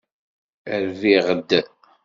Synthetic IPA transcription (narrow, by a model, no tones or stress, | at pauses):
əɾviʁəd̪